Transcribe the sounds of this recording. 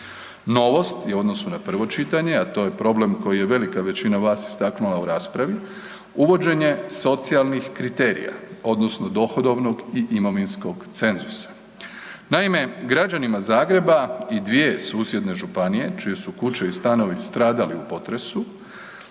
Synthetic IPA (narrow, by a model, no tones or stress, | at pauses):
no̞ʋo̞st̪juo̞d̪nosunapr̩ʋo̞t͡ʃit̪aɲe̞at̪o̞ːje̞pɾo̞ble̞mko̞jije̞ʋe̞likaʋe̞t͡ɕinaʋaːsi̥st̪aknulauɾaːspɾaʋi | uʋo̞d͡ʒe̞ɲe̞so̞t̪sialˠnixkɾit̪e̞ɾḭja̰o̞d̪nosno̞d̪o̞xo̞d̪o̞ʋno̞ɡiʔimoʋinsko̞ɡt̪se̞nzusḁ | naime̞ɡɾad͡ʒanimazaːɡɾe̞baid̪ʋije̞suːsje̞d̪ne̞ʒupanije̞t͡ʃije̞sukut͡ʃeist̪ano̞ʋist̪ɾaːd̪aliupo̞t̪ɾe̞su